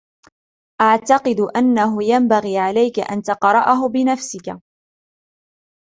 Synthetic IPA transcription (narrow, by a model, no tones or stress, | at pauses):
ʔaʕt̪ɑqɨd̪ʔanːaɦʊjambaɣiːʕalajka̰ʔa̰nt̪ɑqɾˤɑʔaɦʊbɪnafsɪka